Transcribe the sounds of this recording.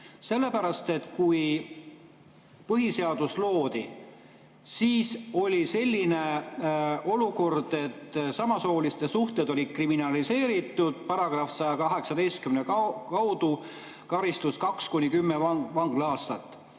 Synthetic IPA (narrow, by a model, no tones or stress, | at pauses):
se̞lːe̞pæɾɑst̪e̞t̪kuj | pɤɦise̞ɑd̪uslo̞ːd̪̥i | siːso̞lʲise̞lʲːine̞ | o̞luko̞rd̪̥e̞t̪ːsɑmɑso̞ːlist̪e̞suht̪ed̪̥o̞lʲid̪̥̚kriminɑlise̞ːɾit̪ːˑud̪̥̚pɑɾɑɡ̥rɑfsɑjɑkɑɦe̞ksɑd̪e̞jst̪̚kymnekkɑwd̪̥u | kɑɾist̪uskɑkskunʲːikymːevɑŋɡ̥lɑːst̪ɑt̪ːˑ